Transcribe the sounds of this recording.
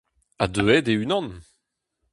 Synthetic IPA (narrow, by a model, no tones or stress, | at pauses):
ad̪øɛd̪eynɑ̃n